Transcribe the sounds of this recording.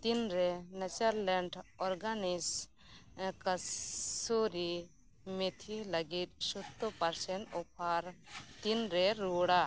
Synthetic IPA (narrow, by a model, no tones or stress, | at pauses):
t̪inɾɛnɛt͡ʃaɾlɛɳɖɔɾɡanis | kasoɾi | mɛt̪ʰiləɡit̪̚ˀsɔt̪ːɔpaɾsɛɳʈɔpʰaɾt̪inɾɛɾuɽa